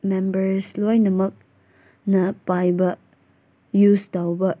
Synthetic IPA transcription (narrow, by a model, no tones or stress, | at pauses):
mɛ̃mbəɹslɔjnəmək̚ | nəpajbəʔ | justawbəʔ